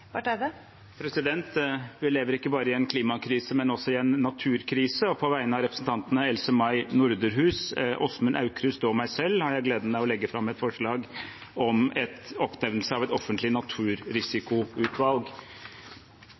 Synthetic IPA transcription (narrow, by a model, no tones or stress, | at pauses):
ʋɑʈæd̪ə | pʰɾɛsɪd̪ɛnt̪ʋɪleːʋəɾɪkːəbɑːɾəɪɛnkʰliːmɑkʰɾiːsəmɛnɔsɔɪɛnːɑt̪ʰʉːɾkʰɾiːsəɔpʰɔʋæɪnəɑʋɾɛpɾəsn̩t̪ɑnt̪ənəɛlsəmɑɪnʊɾd̪əɾɦʉːsʔɔsmʉnʔɑ̰ʉkɾʉsd̪omæɪsɛlːhɑɾjæɪɡleːd̪ənmæɪɔlɛɡːəfɾɑmːɛt̪fɔʂɭɑːɡ | ɔmɛt̪ɔpnɛʋnəlsəɑʋɛt̪ɔfːənt̪lɪnɑt̪ʰʉːɾɾɪsɪkʊʉːt̪ʰʋɑlɡ